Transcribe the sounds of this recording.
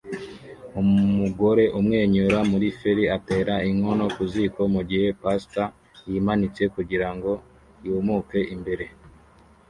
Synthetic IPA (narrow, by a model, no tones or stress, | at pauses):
ummuɡo̞ɾe̞ʔumŋe̞ːɲuɾamuɾifeɾiate̞ːɾaiŋo̞no̞kuziko̞muɡihe̞pasta | jiːmanit͡se̞kuɟiɾaŋɡo̞ | juːmuke̞ʔimbe̞ɾe